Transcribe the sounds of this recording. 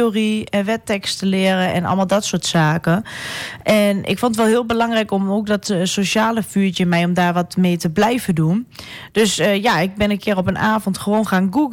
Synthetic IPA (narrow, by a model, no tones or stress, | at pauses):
oriʋɛtɛkstəlɪərəɛ̰nɔ̰lˠmalˠdɔtsoːətsaːkəʔɛnʔɪ̰kfɔntətʋɛlˠɦɪəlˠbəlɑŋrɛjkɔmok̚dɔtsoʃaːləfyət͡ʃəmɛjɔmdaːɹʋɔtmeːtəblɛjvədund̥øsəjaɪk̚bɪnənkʰɪəɾɔpənaːvɔntxəʋoːnχaːnɡuɡ